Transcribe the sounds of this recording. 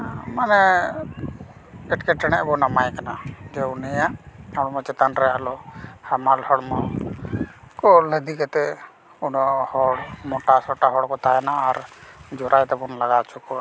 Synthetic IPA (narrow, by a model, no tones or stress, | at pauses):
manɛ | ɛʈkɛʈɛɽ̃ɛʔbɔnamajkanad͡ʒɛunɛjaʔɔɽmɔt͡ʃɛt̪anɾɛalɔhamalhɔɽmɔ | kɔləd̪ikɛt̪ɛ | unɔhɔɽmɔʈasɔʈaɦɔɽkɔt̪ajɛnaːɾd͡ʒɔɾajt̪ɛbɔnlaɡat͡ʃʰukɔ